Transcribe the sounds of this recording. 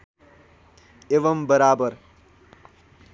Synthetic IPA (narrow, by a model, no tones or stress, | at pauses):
eʋʌmbəɾaːbəɾ